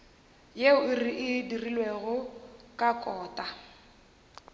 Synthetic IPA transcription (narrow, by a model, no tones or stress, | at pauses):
jeʊɪriʔɪdirilweɣʊkʼakʼɔːtʼa